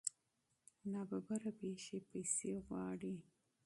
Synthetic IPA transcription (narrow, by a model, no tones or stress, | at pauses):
nɑbabaɾapeʃepajseɣwɑɽi